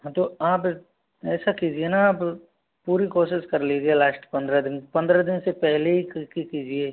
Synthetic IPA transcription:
ɦãt̪oaːp | ɛːsakid͡ʒienaaːp | puːɾikoːʃɪʃkɐɾleːɡelaːsʈpɐ̃nd̪ɾad̪ɪnpɐ̃nd̪ɾad̪ɪnsepɛɦleɦikikid͡ʒieː

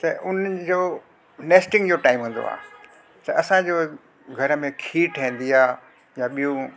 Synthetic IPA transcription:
t̪ɐʔʊn̤əd͡ʑoː | neːsʈɪ̃ŋɡd͡ʑoʈaːɪ̃mɦũːn̆d̪o̰a̰ː | t̪ɐɐsãd͡ʑoː | ɡʱɐɾə̆mẽkʰiːʈʰẽːn̆d̪iaː | jãɓijũ

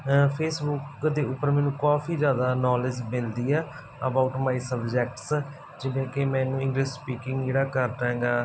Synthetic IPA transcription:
pʰeːsbʊkd̪eːʊpːəɾmɛ̃ːnũːkaːfʰiːzjaːd̪aːnɔːlɪd͡ʒmɪld̪iːɛː | əbaʊʈmaːiːsəbd͡ʒɛk̚ʈs | d͡ʒɪʋẽːkemɛ̃ːnũːɪ̃ŋɡlɪsspiːkɪ̃ŋɡd͡ʒeːɽaːkəɾd̪ãːɡaː

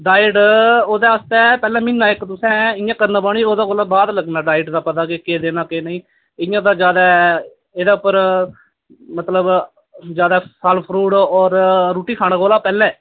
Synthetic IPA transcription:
ɖaːɪɖoːd̪aːəst̪ɛːpɛːlɛ̃ːmɪnːaːɪkt̪ʊsɛ̃ːɪjãːkəɾnaːbaːɽ̃iːoːd̪aːɡoːlaːbaːd̪ləɡnaːɖaːɪʈd̪aːpət̪aːɡeːkeːd̪eːnaːkeːnəĩː | ɪjãːd̪aːd͡ʒjaːd̪aː | eːd̪aːʊpːəɾ | mət̪ləb | d͡ʒjaːd̪asalpʰɾuːɽɔːɾɾuːʈiːkʰaːnaːɡoːlaːpɛːlɛ̃ː

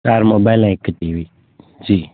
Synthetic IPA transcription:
taɾmobalãekːəʈiʋi | d͡ʒiː

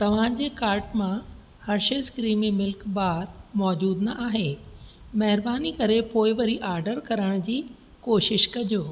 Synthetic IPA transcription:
t̪ɐʋ̤ãd͡ʑeːkaːɾʈmã | hɐɾʃɐskɾiːmemɪlkbaːd̪̚mɔːd͡ʑuːd̪nɐʔaːɦe | mɐɦɪɾbaːnikɐɾepoːɪʋɐɾiʔaːɾɖəɾkɐɾəɽ̃d͡ʑiː | koːʃɪʃkɐd͡ʑoː

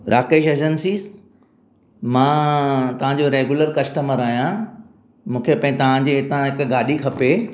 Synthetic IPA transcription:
ɾʔaːkeːʃeːd͡ʑənsiːz | mãːt̪ɐʋ̤ãɲd͡ʑoɾeːɡuləɾkɐsʈəməɾaːijã | mũːkʰepɐ̃ɦɪ̃t̪ɐʋ̤ãd͡ʑeɪt̪ãɦɪkɡaːɗikʰɐpe

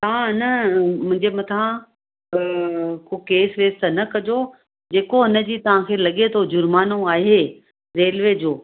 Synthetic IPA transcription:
t̪ãɦɪnəmʊ̃ɦɪ̃ɲd͡ʑemɐt̪ʰã | kokeːsʋeːst̪ənɐkɐd͡ʑo | d͡ʑeːkoɦɪnə̆d͡ʑiːt̪ɐʋ̤ãkʰeːlɐɠet̪ʰod͡ʑʊɾmaːnõaːɦeː | ɾeːlʋeːd͡ʑoː

